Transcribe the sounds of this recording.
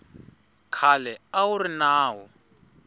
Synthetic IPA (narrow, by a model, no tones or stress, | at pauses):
kʰalɛaurinaːɦɔ